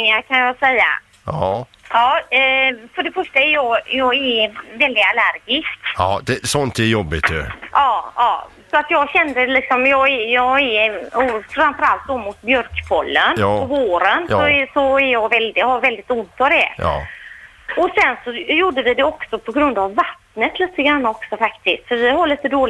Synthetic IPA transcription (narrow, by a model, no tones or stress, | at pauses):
ŋaɾkʰanjɑːsɛjːa̰ | ɑː | fœɖɛfœʂʈaæɾjɑːɡjɑːɡɛvɛld̪ɪɡalæɾɡɪst̪ːd̪ɛsɔnt̪ɛjɔbːɪt̪jɵ̰ʔɑːɑː | sɔat̪jɑːɡɕɛnd̪əlɪksɔmjɑːɡjɑːɛɔfɾamfœɾalt̪̚d̪ɔmʊt̪̚bjœɾkpʰɔlːənpɔvoːɾənɔsɔæɾjɑɡvɛld̪jhavɛld̪ɪɡt̪ʊnt̪ʰavd̪ɛ | ɔsɛnsɔjuːɖːəvɪd̪ɛɔksɔpʰɔɡɾɵnd̪avːat̪nət̪liːt̪əɡɾanːaɔksɔfakt̪ʰɪst̪fœɾvɪhaɭiːt̪əd̪oːl